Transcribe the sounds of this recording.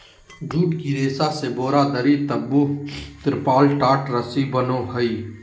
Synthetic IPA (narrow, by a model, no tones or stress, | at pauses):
d͡ʒuːʈkiɾeːsaseboːɾad̪əɾit̪ɐbːut̪ɪɾpaːlʈaːʈɾəsibənohɐiː